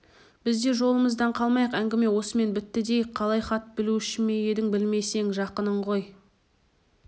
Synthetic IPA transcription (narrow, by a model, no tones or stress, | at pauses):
b̥ɪzd̪e̞ʒo̞lˠəməzd̪ɑɴqʰɑlˠmɑjəqæŋɡʲɪme̞wo̞səme̞nbɪt̪ːɪd̪e̞jɪkqʰːɑlˠɑjχɑt̪ːbɪluʏʃɪnmeje̞d̪ɪŋbɪlme̞jse̞ŋʒɑqənəɴʁo̞j